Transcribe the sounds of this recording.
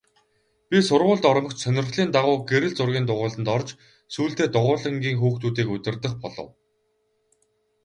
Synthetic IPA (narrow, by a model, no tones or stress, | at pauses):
pʲisʊrʁʊːɮt̪ɔɾ̆mɞ̆kt͡ɕsœnʲɪ̆rɮiːnt̪aʁʊːɡeɾɘ̆ɮt͡sʊrɣʲiːnt̪ʊʁʊːɮə̆nt̪ɔrt͡ɕ | suːɬt̪eːt̪ʊʁʊːɮə̆ŋɡʲiːŋxuːxt̪uːt̪̬iːkɵt̪ʲɪ̆rt̪ə̆χpɔɮɞ̰̆w